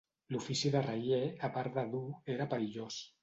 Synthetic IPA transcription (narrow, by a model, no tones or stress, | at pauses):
lufisiðərajeapaɾðaðueɾapəɾiʎos